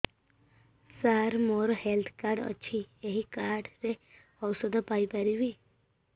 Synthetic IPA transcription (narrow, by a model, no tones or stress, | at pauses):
saɾmoɾhelt̪ʰkaɾɖə̰t͡ɕʰieɦikaɾɖɾe | ɔwsəd̪ʱəpajpaɾiʋi